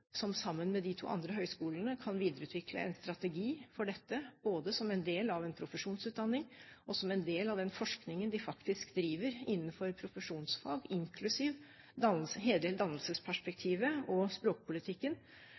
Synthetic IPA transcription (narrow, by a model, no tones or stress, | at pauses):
sɔmsɑmːənmɛd̪ɪt̪ʰṵːʔɑ̰nd̪ɾəɦœʏskuːlənəkʰɑnʋiːd̪əɾəʉːt̪ʰʋɪkʰlə̰ɛ̰nst̪ɾɑt̪ɛɡiːfɔɖɛt̪ːəboːd̪əsɔmɛnd̪eːlɑʋɛnpʰɾʊfəʂuːnsʉːt̪̚d̪ɑnːɪŋʔɔsɔmɛnd̪eːlɑʋd̪ɛnfɔʂknɪŋənd̪ɪfɑkt̪ɪskd̪ɾiːʋəɾɪnːənfɔɾpʰɾʊfəʂuːnsfɑːɡɪŋkʰlʉsiːʋ | d̪ɑnsəɦeːld̪eːld̪ɑnːəlsəspʰæʂpɛk̚t̪ʰiːʋəɔspɾoːk̚pʰʊlɪt̪ʰɪkːən